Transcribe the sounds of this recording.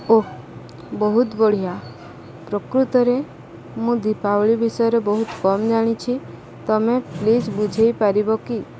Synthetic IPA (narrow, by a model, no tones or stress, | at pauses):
o | bɔɦut̪bɔɽ̤ija | pɾɔkɾut̪ɔɾe | mũd̪ipawɭibisɔjɔɾebɔɦut̪kɔmd͡ʒaɽ̃it͡ʃʰi | t̪ɔmeplid͡ʒbud͡ʒʱejpaɾibɔki